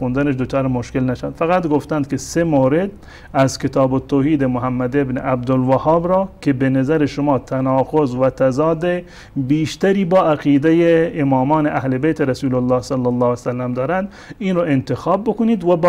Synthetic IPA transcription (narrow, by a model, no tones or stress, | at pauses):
und̪æneʃd̪ot͡ʃɑːɾemoʃkelnæʃænd̪fæɣæt̪ɡoft̪ænd̪̚kesemoːɾed̪ | æzket̪ʰɑːbot̪ʰːoːhiːd̪emoɦæmːæd̪ebnḛʔæb̚d̪olvæhɑːbɾɑːkʲʰebenæzæɾeʃomɑːt̪ʰænɑːqozvæt̪ʰæzɑːd̪e | biːʃt̪æɾiːbɒːæqiːd̪ejeːmɑːmɒːneʔæhlebejt̪ʰeɾæsuːlolːɑːhsalːɑlːɑːsælːæmd̪ɒːɾænd̪ | iːnɾɑːʔent̪exɑːbːokoniːd̪væb